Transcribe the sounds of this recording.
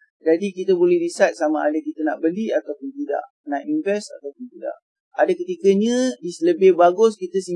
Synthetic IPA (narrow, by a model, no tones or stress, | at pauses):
d͡ʒadikit̪əbolɛhdisat̪̚samaʔadakit̪əna̰ʔbəniat̪awpʊnt̪ida̰ʔ | naʔinvɛsa̰t̪awpʊnt̪ida̰ʔ | adakət̪ikəɲə̃disləbɪhbaɡʊskit̪əsə